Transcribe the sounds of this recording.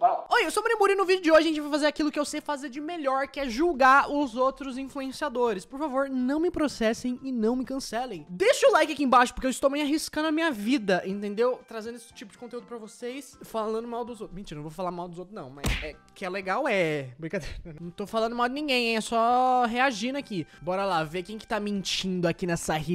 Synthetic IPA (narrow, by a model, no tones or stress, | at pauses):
poojewsomonĩmuɾĩnʊvid͡ʒʊd͡ʒɪoʒaʒẽt͡ʃɪvajfazeɾakilʊkɪewsejfazeɾd͡ʒɪmeʎɔɾkɪɛʒuwɡaʊzowt̪ɾʊzĩfluẽsiad̪oɾɪspoɾfavoɾnɐ̃w̃mɪpɾosɛsẽj̃ɪnɐ̃w̃mɪkɐ̃sɛlẽj̃d̪eʃʊlajkɪakiẽbaʃʊ̥pʊɾkeewɪst̪owmẽj̃aɦiskɐ̃nd̪ʊɐmĩɲɐvid̪ɐʔẽnt̪ẽnd̪ewt̪ɾazẽnd̪ʊesɪ̥t͡ʃipʊd͡ʒɪkõnt̪eud̪ʊpɾɐvosejsfalɐ̃nd̪̃d̪ʊmawd̪ʊzot̪mĩnt͡ʃiñw̃vofalamawd̪ʊzowt̪ɾʊznɐ̰̃w̃mɐ̰jsɛ | kɪɛleɡawɛbɾiɡad̪eɾɐ̃w̃t̪owfalɐ̃nd̪ʊmawd͡ʒɪnĩɡẽj̃ẽsɔɦeaʒĩnʊakibɔɾɐlavekẽj̃kɪ̥t̪amĩnt͡ʃĩnd̪ʊakinɛsɐhi